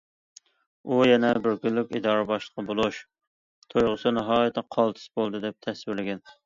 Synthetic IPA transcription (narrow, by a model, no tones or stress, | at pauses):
ujɛnɛbɪɾkʲynlykʲid̪ɑːɾɨbɑʃlˠə̥qːɑbolˠuʃ | t̪ʰojʁʊsɨnɑɦɑːjɪt̪ʰːɛqʰɑlˠt̪ʰɨ̥sbolˠd̪ɨd̪ɛp̚t̪ʰɛswɪɾlɪɡʲɛn